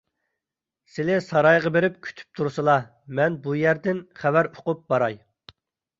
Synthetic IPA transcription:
sɪlɪsɑɾɑjʁɑbeɾɪp̚kʲʰy̥t̪ʰy̥p̚t̪ʰuɾsɨlˠɑ | mɛnbujæɾd̪ɪnχævæɾo̥qʊp̚bɑɾɑj

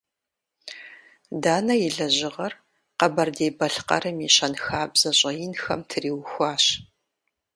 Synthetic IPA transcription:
daːnɐjɪɮɐʑɪʁɐr | qɐbɐrdeːbɐɬqɐ̰ɾɨmiɕɐnxaːbz̥ɐɕʼɐjɪnxɐ̰mtʰɨriːwxʷaːɕ

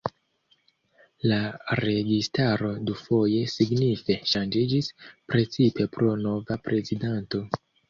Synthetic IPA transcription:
laɾe̞ɡistaɾo̞dufo̞je̞siɡnife̞ʃand͡ʒid͡ʒispɾe̞t͡sipe̞pɾo̞no̞vapɾe̞zidanto̞

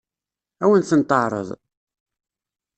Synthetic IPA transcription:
æwənθənt̪ˤːəʕɾˤə̰ðˤ

